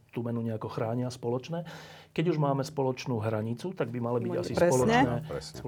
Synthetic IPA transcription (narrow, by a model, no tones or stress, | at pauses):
t̪umɛnuɲɛakɔxɾaːɲɪaspɔlɔt͡ʃnɛː | kɛɟuʒmaːmɛspɔlɔt͡ʃnuːɦɾaɲit͡sut̪aɡbimalibiɟasisɾɛɔlɔɲt͡ʃɛnɛɛ